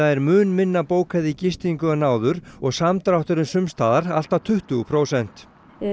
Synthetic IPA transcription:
aɛɾmʏːnmɪnːapoːwkʰaðɪcɪst̪iŋkʏanaːwðʏɾɔɣsamt̪ɾawht̪ʏɾʏnsʏmst̪aːðaɾal̥t̪at̪ʰʏht̪ʏɣʏpʰɾoːwsɛn̥t̪

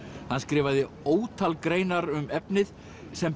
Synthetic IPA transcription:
hanːskɾɪːvaðɪ | oːwt̪ʰalkɾeːjnaɾʏmɛpnɪð | sɛm

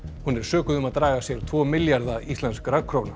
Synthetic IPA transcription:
hunɛɾ̥sœːkʏðʏmaðt̪ɾaːɣasjɛɾt̪ʰvɔːmɪljaɾðaist̪lɛnskɾakʰɾoːwna

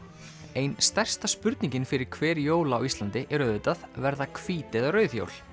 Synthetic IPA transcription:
ejnst̪ɛr̥st̪aspʏɾt̪nĩɲcɪnfɪɾɪɾ̥kʰvɛːɾjoːwlaːwist̪lant̪ɪʔɛɾʏœðʏt̪aðvɛɾðakʰv̥iːt̪ɪðarœːɥθjo̰wl

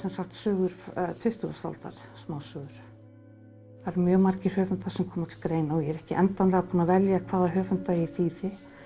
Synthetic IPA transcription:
sɛnsaxt̪sœːɣʏɾt̪ʰʏht̪ʏɣḁst̪a̰lt̪a̰ɾ̥smaːwsœːɣʏɾ̥ | aɾmjœːmaɾ̥cɪr̥hœːvʏnt̪θaɾ̥sɛmkʰɔːmaɾt̪ʰɪlkɾeːjnawjɛɾɛhcɪʔɛnt̪anlɛɣapʰuːnavɛljakʰvaːðaɦœːvʏnt̪aiθiːðɪ

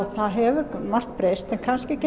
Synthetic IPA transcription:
θaðɦɛvʏmar̥t̪pɾeːjst̪ɛnkʰanscɪcɪ

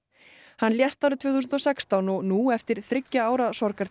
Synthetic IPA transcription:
hanːljɛst̪aɾʏt̪ʰvɛːθus̬nt̪ɔsɛkst̪awnɔɣnuɛft̪ɪɾ̥θɾɪcːaaːwɾaðsɔɾkaɾ

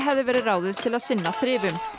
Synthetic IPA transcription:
ɦɛvðɪvɛːɾɪraːwðɪðt̪ʰɪlaðsɪnːaθɾɪːvʏm

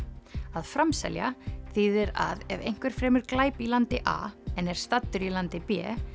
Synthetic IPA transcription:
aðfɾamsɛ̰lja̰θiðɛɾa̰ðɛvejŋ̥kvɛɾ̥fɾɛːmʏɾ̥klaːjpilant̪ɪʔa̰ɛnːɛɾ̥st̪at̪ːʏɾilant̪ɪpɛ̰ː

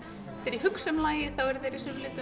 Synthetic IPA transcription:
fɪɾihʏksɛmlaːjɪθawɛɾθejɾɪsɪvlɪːt̪ʏ

